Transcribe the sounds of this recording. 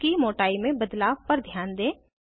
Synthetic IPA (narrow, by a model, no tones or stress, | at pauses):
kimoːʈaːimẽbəd̪laːʋpɐɾd̪ʱjaːnd̪ẽː